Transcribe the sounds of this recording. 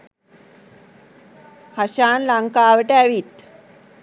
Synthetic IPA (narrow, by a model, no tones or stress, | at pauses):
paʃaːnlaŋkaːʋəʈəæʋit̪